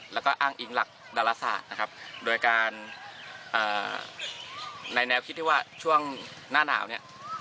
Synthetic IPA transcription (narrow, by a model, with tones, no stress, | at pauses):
lɛː˦˥wkɔː˥˩ʔaː˥˩ŋʔi˨˦ŋla˨˩k̚daː˧laː˧˥sa̰ː˨˩t̪̚na˦˥kʰa˦˥p̚doː˧jkaː˧n | ʔɤː˨˩ | a˧jnɛː˦˥wkʰi˦t̪̚ʰːi˥˩waː˥˩t͡ɕʰu˥˩əŋ | naː˥˩na̰ː˩˦wni˥˩ə